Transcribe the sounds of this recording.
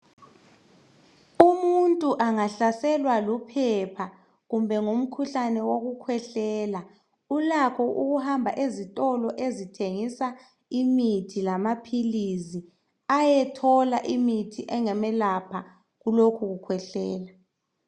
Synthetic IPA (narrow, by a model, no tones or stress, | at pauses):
umuntʼuʔaŋaɬasɛlwalupʰɛpʰa | ɣumbʱɛŋum̩kʰuɬanɛwoɣukʰwɛɬɛːla | ulakʰɔʔuɣuhambʱaʔezitʼɔlɔʔezitʰeŋisa | imitʰilamapʰilizi | ajɛtʰɔlaʔimitʰiʔɛŋɛmɛlapʰa | ɣulokʰuɣukʰwɛɬɛːla